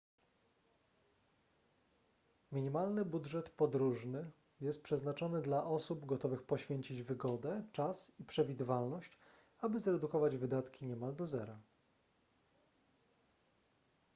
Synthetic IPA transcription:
mʲiɲimalnɘbudʐɛt̪pɔd̪ɾuʐnɘ | jɛst̪̚pʂɛznat͡ʂɔnɘd̪laʔɔsubɡɔt̪ɔvɘxpɔɕfʲjeɲt͡ɕid͡ʑvɘɡɔd̪ɛt͡ʂasipʂɛvʲid̪ɘvalnɔɕt͡ɕ | abɘzɾɛd̪ukɔvad͡ʑvɘd̪at̪kʲʰiɲɛmald̪ɔzɛɾa

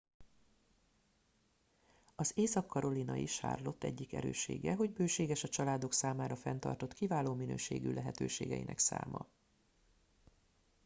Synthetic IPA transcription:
ɒzeːsɒkːɒɾo̞linɒiʃa̰ːrlo̞t̪ːɛɟːikɛ̰ɾø̰ːʃḛːɡɛɦo̞ɟbøːʃeːɡɛʃɒt͡ʃɒlaːd̪o̞ksaːmaːɾɒfɛnt̪ɒ̰rt̪o̞t̪kivaːloːminøːʃeːɡylɛɦɛt̪øːʃeːɡɛjinʔɛksa̰ːmɒ̰

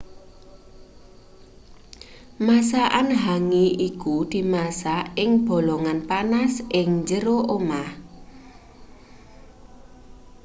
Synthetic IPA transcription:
masaʔanɦaŋiʔikud̪̥i̤masaɪŋb̥ɔ̤lɔŋanpanasʔɪŋɲd͡ʒəɾoʔomah

